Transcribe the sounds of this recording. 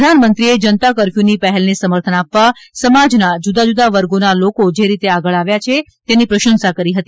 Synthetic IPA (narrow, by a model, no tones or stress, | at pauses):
d̪ʱanmənt̪ɾied͡ʒənt̪akəɾfjunipəɦɛlnesəməɾt̪ʰənapʋasəmad͡ʒnad͡ʒud̪ad͡ʒud̪aʋəɾɡonalokod͡ʒeɾit̪eaɡəɭaʋjat͡ʃʰe | t̪enipɾəʃənsakəɾiɦət̪i